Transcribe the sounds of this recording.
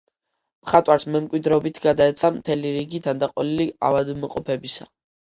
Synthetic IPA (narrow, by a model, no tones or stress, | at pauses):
mχat̪ʼwaɾsmɛmkʼwid̪ɾɛɔbit̪ʰɡad̪aɛt̪sʰamt̪ʰɛliɾiɡit̪ʰand̪aqʼɔlilia̰vad̪mɔqʼɔpʰɛbisa̰